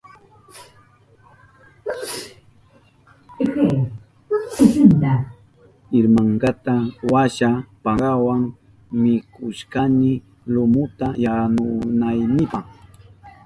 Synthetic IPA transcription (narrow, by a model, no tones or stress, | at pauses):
ke | sɪnd̪a | ɪɾmaɴɢɑt̪awaʃapɑɢɑwaŋ | mɪkʊʃkanɪ | lʊmʊt̪ajanʊnajnɪpaχ